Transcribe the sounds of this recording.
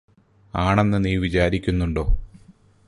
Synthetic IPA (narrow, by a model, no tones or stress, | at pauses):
aːɳenːɨniːʋit͡ɕaːɾikʲːunːuɳɖo̞̰ː